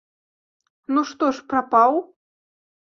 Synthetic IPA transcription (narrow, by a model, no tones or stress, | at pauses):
nuʂt̪ɔʂpɾapaw